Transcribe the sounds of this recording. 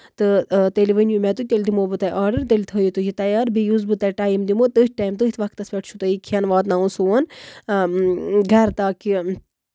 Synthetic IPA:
t̪ɨt̪eliʋənʲjumʲɛt̪ut̪ʲelʲd̪imobɨt̪ɐjʔaːɖɨɾt̪elʲt̪ʰəːjit̪ud͡ʒit̪ɐjaːɾbijuzbɨt̪ɐʈaːjimd̪imot̪ɨʈʰʈaːjmt̪ɨit̪ʰʋɐkt̪ːɐspʲeʈ̚ʰt͡ʃʰut̪ɐikʲʰɐnʋaːt̪naunsuɐn | ɡʱɐɾt̪aːki

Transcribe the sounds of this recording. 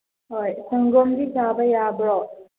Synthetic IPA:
ojsʰəŋɡomd̪isabajaːbɾɔ

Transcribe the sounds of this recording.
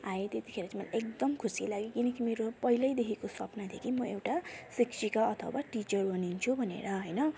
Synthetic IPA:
ajet̪et̪i̥kʰeɾʌt͡smʌla̰ʔek̚d̪ʌmkʰusilaɡekinʌkimeɾopʌɦilʌjd̪ekʰikosʌpnad̪ʱekʰimʌewʈasikt͡ʃikaʌt̪ʰʌ̰waʈit͡ʃʌrbʌnint͡sʰubʱʌnḛɾʌɦʌjnʌ

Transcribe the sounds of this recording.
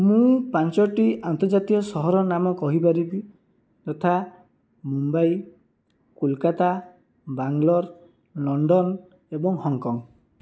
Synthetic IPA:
mũpant͡ʃɔʈiʔant̪ɔɾd͡ʒat̪iɔsɔɦɔɾɔnamɔkɔɦip̬aɾibi | t̪ɔt̪ʰa | mumbaj | kulkat̪a | baŋlɔɾ | lɔɳɖɔn | ebɔŋhɔŋkɔŋ

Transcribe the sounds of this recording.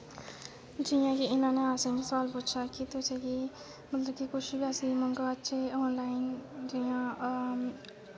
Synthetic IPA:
d͡ʒijãkiɪnãːneaːsẽmesəʋaːlpuːt͡ʃʰakit̪ot͡ʃʰeki | mɐt̪ləb̚kikʊt͡ʃʰbʲaːsimə̃ŋɡaətːʃʰeoːnlaːɪnd͡ʒijãː

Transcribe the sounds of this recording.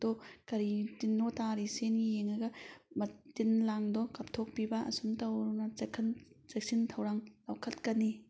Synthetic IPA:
d̥ɔkɐɾitinːɔtaɾisenɡijeŋɐɡɐmɐtinlaŋdɔkɐp̚tʰok̚pibɐɐ̰sumtɐwɾnɐkʰnt͡ʃek̚sintʰɐwɾaŋlawkʰɐtkɐni

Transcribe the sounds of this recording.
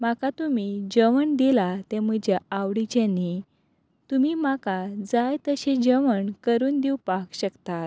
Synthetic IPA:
makat̪um̤id͡ʑəʋəɳd̪ilat̪ẽməd͡ʑaaʋɽit͡ɕẽnːi | t̪umimakad͡zajt̪əɕẽd͡ʑəʋəɳkəɾuːnd̪iwpakɕəkt̪at̪

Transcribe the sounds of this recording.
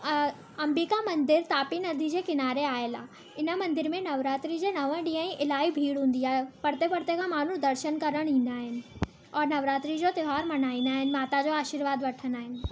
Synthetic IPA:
ɐ̃mbikamɐ̃nd̪ɪɾt̪aːpinɐd̪ʱid͡ʑeːkɪnaːɾeaːɦelaː | ɪnə̆mɐ̃nd̪ɪɾmẽnɐʋɾaːt̪ɾid͡ʑeːnɐʋə̃ɗĩːə̃ĩʔɪlaːibʱiːɽɦũːn̆d̪iaːɦepɐɽt̪epɐɽt̪ekʰãːmaːn̤ũd̪ɐɾʃənkɐɾəɽ̃ĩːn̆d̪aːɦɪnɪ̆ | ɔːɾnɐʋɾaːt̪ɾid͡ʑot̪ɪɦaːɾmɐnaːĩːn̆d̪aːɦɪnɪ̆maːt̪ad͡ʑoːaːʃiɾʋaːd̪ʋɐʈʰənd̪aːɦɪnɪ̆

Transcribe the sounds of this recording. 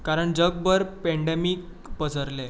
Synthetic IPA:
kaɾəɳd͡ʑəɡ̚bəɾpɛɳɖemik̚ | pəsəɾle

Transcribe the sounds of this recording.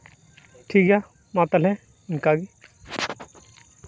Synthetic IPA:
ʈʰiːkɡjaː | mãːt̪əlɦɛ̃ | ɪnkaːɡi

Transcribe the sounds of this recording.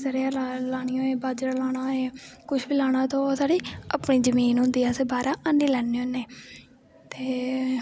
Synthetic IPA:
səɾejaːlalaːɽ̃ɪjõːeːbaːd͡ʒɾalaːɽ̃aːeːkʊʃbiːlaːɽ̃ãːt̪õːsaːɽiːa̰pɳiːd͡ʒəmiːnɦʊ̃nd̪iːaːseːbaːɾaːənːiːlɛːneːoneː | t̪eː

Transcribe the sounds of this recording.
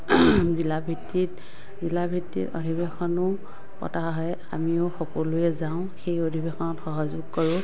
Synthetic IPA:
zilabʱitːit | zilabʱitːḭto̰dʱibexɔnʊ | pɔ̰taɦɔj | a̰miʊxɔkɔlʊɛzaʊ̃xejodʱibexɔnɔtxɔɦɔzʊɡ̚kɔɹʊ̃

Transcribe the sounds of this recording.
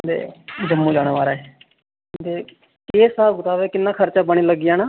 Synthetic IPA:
d̪ḛːd͡ʒəmːũːd͡ʒaːɽ̃aːʋaːɾaːe | d̪eː | keːsaːbɡʊt̪aːʋeːkɪnːãːkʰəɾt͡ʃaːbəɽ̃iːləɡːijãːnaː

